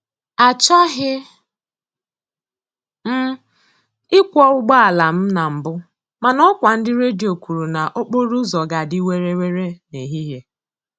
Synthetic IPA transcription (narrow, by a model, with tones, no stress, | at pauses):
a˨t͡ʃɔ˦ɦɪ˦ | m̩˦ | ɪ˦kʷɔ˦ʊ˦ɡ͡ba˦a˨la˨m̩˦na˨m̩˨bʊ˦ | ma˨nɔ˦kʷa˨n̩˦dɪ˦ɾe˦di˨o˨kʷu˨ɾu˨na˨ʔo˦k͡po˦ɾu˦zɔ˨ɡa˨di˦we˦ɾe˦we˦ɾe˦ne˨ɦi˦ɦe˦